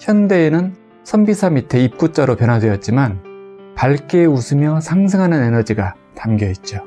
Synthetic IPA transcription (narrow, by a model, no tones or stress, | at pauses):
çjʌnde̞ːnɯn | sʰʌmbisʰamitʰeip̚k͈ut̚t͡ɕ͈aɾopjʌnɦwadwejʌt̚t͡ɕ͈imanpaɭk͈eːusʰɯmjʌsʰaŋs̬ʰɯŋɦanɯne̞nʌd͡ʑiɡa | tamɡjʌit̚t͡ɕ͈o